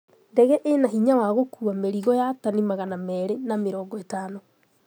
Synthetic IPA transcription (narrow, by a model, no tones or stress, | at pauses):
ndɛɣɛʔenaɦiɲawaɣokuameɾiɣɔjatanimaɣanamɛɾenameɾɔːŋɡɔetaːno